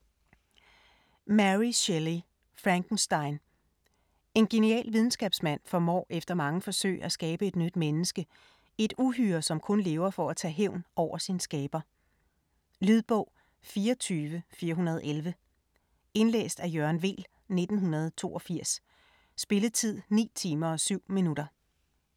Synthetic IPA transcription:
mæʁiɕeli | fʁɑŋɡ̥n̩sd̥ɑ̈ɪn | e̝nɡ̥e̝niɛ̰ːlʋiðˠn̩sɡ̥ɛːb̥smæn̰fɒ̽mɒ̰ːʔefd̥ɐmɑ̈ŋəfɒ̽sø̰ɪ̰æsɡ̥ɛːb̥əe̝d̥nyd̥menəsɡ̥ə | e̝d̥uɦyːɐsɒ̽mkʰɔ̽nle̝ːʊɐfɒ̽æt͡sʰɛ̰ːɦeʊ̰nʔɒʊ̰ɐsinsɡ̥ɛːb̥ɐ | lyðˠb̥ɔ̽ʊ̰ | fiːɐɒt͡sʰyːʋəfiːɐɦunɐð̞̩ˠelʋə | e̝nlḛːsd̥æjɶɐnʋe̝̰ːl | ne̝d̥n̩ɦunɐð̞ˠt͡sʰo̝̰ːɒ̽fiɐ̰sː | b̥e̝ləð̩ˠt͡sʰið̞̰ˠnḭːt͡sʰiːmɐɒ̽syʊ̰minud̥ɐ

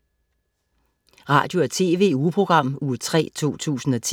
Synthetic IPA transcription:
ʁɑ̰̈ːd̥jo̝æt͡sʰe̝̰ːʋe̝̰ːupʰʁo̝ɡ̥ʁɑ̈m̰uːt͡sʰʁɛ̰ːt͡sʰo̝̰ːt͡sʰṵːsn̩ɒ̽t͡sʰ

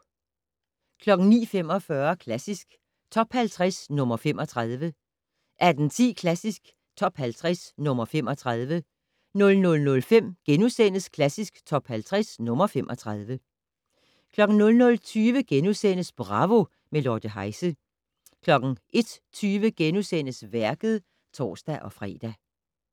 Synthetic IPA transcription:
kʰlɒ̽ɡ̥n̩nḭːfem̰ɒ̽fɶɐkʰlæsisɡ̥ | t͡sʰɒ̽b̥hælt͡sʰʁasnɔ̽mɐfem̰ʔɒ̽t͡sʰʁɑð̞ˠʋə | ʔæɐd̥n̩t͡sʰḭːkʰlæsisɡ̥ | t͡sʰɒ̽b̥hælt͡sʰʁasnɔ̽mɐfem̰ɒ̽t͡sʰʁɑðˠʋə | nɔ̽lnɔ̽lnɔ̽lfem̰ɡ̥enusen̰əskʰlæsisɡ̥t͡sʰɒ̽b̥hælt͡sʰʁɛsnɔ̽mɐfemʔɒ̽t͡sʰʁɑðˠʋə | kʰlɒ̽ɡ̥n̩nɔ̽lnɔ̽lt͡sʰyːʋəɡ̥enusen̰əsb̥ʁɑ̈ʋo̝ | melɒːd̥əɦɑ̈ɪsə | kʰlɒ̽ɡ̥n̩ʔe̝d̥ | t͡sʰyːʋəɡ̥enusen̰əsʋæɐɡ̥ð̞̩ˠ | t͡sʰɒ̰ːsd̥æʔɒ̽fʁɛ̰ːd̥æ

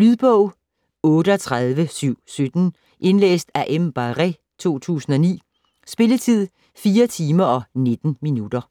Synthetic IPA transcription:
lyð̞ˠb̥ɔʊ̰ | ɔ̽ːɾəɒt͡sʰʁað̞ˠʋəsyʊ̰sød̥n̩ | ʔe̝nlḛːsd̥æʔemb̥ɑʁɛ | t͡sʰo̝̰ːt͡sʰṵːsn̩ɒ̽nḭː | sb̥e̝lət͡sʰið̞̰ˠ | fiːɐt͡sʰiːmɐɒ̽ne̝d̥n̩minud̥ɐ

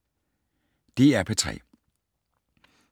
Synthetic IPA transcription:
d̥e̝æɐpʰɒt͡sʰʁɛ̰ː

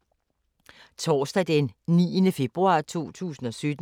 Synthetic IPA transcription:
t͡sʰɒːsd̥æd̥ennḭːənəfe̝b̥ʁuɑ̰̈ːt͡sʰo̝̰ːt͡sʰṵːsn̩ɒ̽sød̥

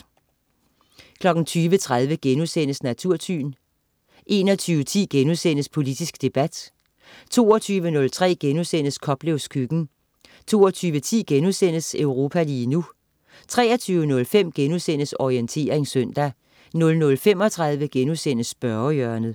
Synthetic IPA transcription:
kʰlɒ̽ɡ̥n̩t͡sʰyːʋət͡sʰʁaðˠʋəɡ̥enusenəsnæt͡sʰuɐ̰t͡sʰy̰ːn | ʔe̝ːnɒ̽t͡sʰyːʊət͡sʰḭːɡ̥enusen̰əspʰo̝lid̥isɡ̥d̥e̝b̥æd̥ | t͡sʰo̝̰ːɒt͡sʰyːʋənɔ̽lt͡sʰʁɛ̰ːɡ̥enusen̰əskʰɒ̽b̥leʊskʰyɡ̥n̩ | t͡sʰo̝̰ːɒt͡sʰyːʋət͡sʰḭːɡ̥enusen̰əsøʊʁo̝ːpʰæliːnu | t͡sʰʁɛ̰ːɐt͡sʰyːʊənɔ̽lfem̰ɡ̥enusen̰əsɒient͡sʰe̝̰ːɐʁeŋsœn̰d̥æ | nɔ̽lnɔ̽lfem̰ɒ̽t͡sʰʁäðˠʋəɡ̥enusen̰əsb̥ɶɐjœɐnð̩ˠ

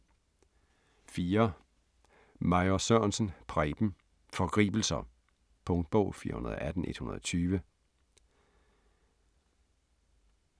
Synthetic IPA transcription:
fiːɐ | mɑ̈ɪosøɐnsən̩pʰʁɛɪb̥m̩ | fɒ̽ɡ̥ʁḭːb̥l̩sɐ | pʰɔ̽ŋd̥̚b̥ɔʊ̰fiːɐhunɐð̞̩ˠɒʔæd̥n̩e̝d̥hunɐðˠɒ̽t͡sʰyːʋə

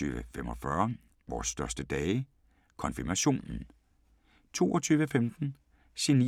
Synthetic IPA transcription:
y̰ːʋəfem̰ɒ̽fɶɐ | ʋɒ̰ːsːd̥ɶɐsd̥əd̥ɛːɪ | kʰɒ̽nfiɐmæɕo̝̰ːnn̩ | t͡sʰo̝̰ːɒt͡sʰyːʋəfemd̥n̩ | seni

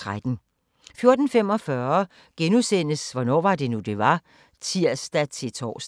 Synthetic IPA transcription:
ʁad̥n̩ | fjo̝ɐd̥n̩fem̰ɒ̽fɶɐ | ɡ̥enusen̰əsʋɒnɒ̰ːʋɑ̈d̥e̝nud̥e̝ʋɑ̈ | t͡sʰiɐ̰sd̥æt͡sʰe̝t͡sʰɒ̰ːsd̥

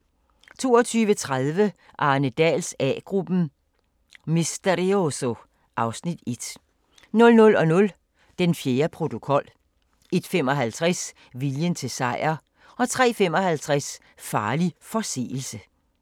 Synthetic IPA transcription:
t͡sʰo̝̰ːɒt͡sʰyːʋət͡sʰʁaðˠʋə | ʔɑ̈ːnəd̥ɛ̰ːlsɛɡ̥ʁub̥n̩ | misd̥eʁioso | ʔɑ̈ʊsnid̥e̝d̥ | nɔ̽lnɔ̽lɒ̽nɔ̽l | d̥enfjeːɐpʰʁo̝t͡sʰo̝kʰɒ̽l̰ | e̝d̥fem̰ɒ̽ɦælt͡sʰʁɛs | ʋiljənt͡sʰe̝sɑ̈ɪ̰ɐ | ɒ̽t͡sʰʁɛ̰ːfem̰ɒ̽hælt͡sʰʁas | fɑ̈ːlifɒ̽sḛːl̩sə

